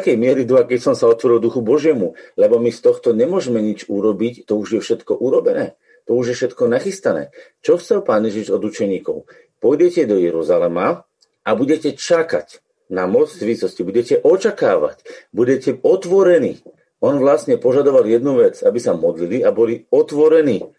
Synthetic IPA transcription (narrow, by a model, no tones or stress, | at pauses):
kɛjmɪɛɾid̪uakɛcsɔmsaɔt̪ʋɔɾild̪uxubɔʒɪɛmulɛbɔmist̪ɔxt̪ɔɲɛmʊɔʒɛmɛɲit͡ʃuɾɔbict̪ɔuʒjɛfʃɛt̪kɔʔuɾɔbɛnɛː | t̪ɔuʒjɛfʃɛt̪kɔnaxist̪anɛ̰ːt͡ʃɔxt͡sɛlpaːnjɛʒiʒɔd̪ut͡ʃɛɲiːkɔʊ | pɔjdɛcɛd̪ɔjɛɾuzalɛma | ʔabuɟɛcɛt͡ʃaka̰c | namɔt͡szʋisɔscibuɟɛcɛʔɔt͡ʃakaːʋa̰cbuɟɛcɛɔt̪ʋɔɾɛniː | ɔnʋlasɲɛpɔʒad̪ɔʋaljɛd̪nuʋɛt͡sabisamɔd̪liliabɔliɔt̪ʋɔɾɛniː